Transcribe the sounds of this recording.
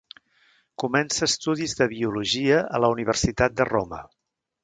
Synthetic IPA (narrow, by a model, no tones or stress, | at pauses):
kumɛnsəːst̪uðizðəβiuluʒiəʔələuniβ̞ərsit̪at̪̚d̪əromə̰